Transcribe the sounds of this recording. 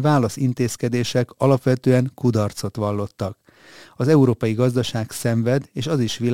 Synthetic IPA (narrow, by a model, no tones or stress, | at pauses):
vaːlɒsint̪eːskɛd̪eːʃɛkɒlɒpʋɛt̪øːɛŋkud̪ɒrt̪so̞t̪ʋɒlːo̞t̪ːɒk | ɒzɛuɾoːpɒjiɡɒzd̪ɒʃaːɡsɛɱvɛd̪eːʃɒziʃʋil